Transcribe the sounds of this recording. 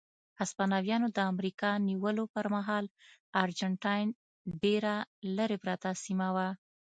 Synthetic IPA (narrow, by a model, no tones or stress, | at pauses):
aspanɑwjɑnod̪əamɾikɑniwəlopəɾmaɦɑlɑɾd͡ʒaɳʈɑjn | ɖeɾaləɾepɾat̪asimawa